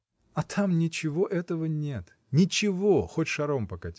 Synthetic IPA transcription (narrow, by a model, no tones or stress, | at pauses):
ɐt̪ʰamnʲɪt͡ɕɪvo̞ʔɛt̪əvənʲe̞t̪ | nʲɪt͡ɕɪvoxotʲʂɐɾompɐkɐtʲ